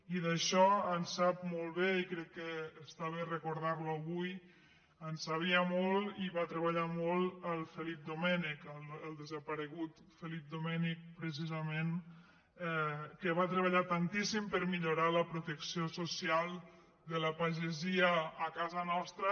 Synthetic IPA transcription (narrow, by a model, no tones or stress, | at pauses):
iðəʃɔənsap̚molˠβeikɾɛkːəːst̪aβerəkuɾðaɾluəβuj | ənsaβ̞iəmolˠiβat̪ɾəβəʎamolˠəlˠfəlip̚d̪umɛnikələlˠd̪əzəpəɾəɣut̪ | fəlip̚d̪umɛnik̚pɾəs̬izəmen | ɛkəβat̪ɾəβ̞əʎat̪ant̪isimpəɾmiʎuɾaləpɾut̪əksiosusialˠ | d̪ələpaʒeziəːkazənɔst̪ɾə